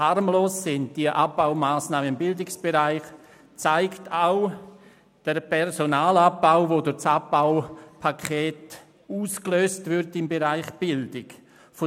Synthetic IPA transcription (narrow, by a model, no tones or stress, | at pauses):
harmloːsːɪnd̚d̥iəʔabbaʊmaːsnaːməɪmbɪldɪksb̥eɾaɪχ | t͡saɪktʰaʊ | d̥əɾpʰɛɾzonaːlap̚ːaʊvodʊɾt͡sap̚baʊpʰakʰeːt | uːskløːstvʏɾtɪmbeɾaɪχb̥ɪldɪk | fo